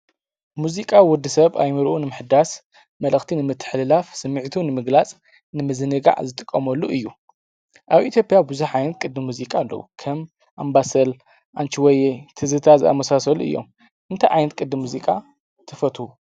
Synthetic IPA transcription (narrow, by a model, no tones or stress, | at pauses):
muzikʼawʊd̪ːisɐβa̰jmɨɾʔunɨmɨħɨd̪as | mɐlʔɐxt̪ʰinɨmɨt̪ʰːɨ̥ħlɨlafsɨmːɨʕt̪ʰunɨmɨɡlat͡sʼ | nɨmɨzɨnɨɡa̰ʕzɨt̪ʼɨkʼːɐmɐlːuʔɨjːu | ʔaβʔit̪ʰjo̞pʼijabɨzuħʕajnɐt̪̚kʼɨd̪mɨmːuzikʼalːɐ̰wṵkʰɐm | ʔambasɐl | ʔant͡ʃiwɔjet̪ʰɨzɨt̪ʰazɨʔa̰mɐsasɐluɨ̰jːo̰m | ʔɨnt̪ʰajʕajnɐt̪̚kʼɨd̪ɨmuzikʼa | t̪ʰɐfɐt̪hu